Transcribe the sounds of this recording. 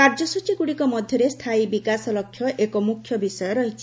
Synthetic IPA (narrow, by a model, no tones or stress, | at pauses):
kaɾd͡ʒɔsut͡ʃikuɽikɔmɔd̪ʱjɔɾest̪ʰaibikasɔlɔkʰːjɔʔekɔmukʰjɔbisɔjɔɾɔɦit͡ʃʰi̥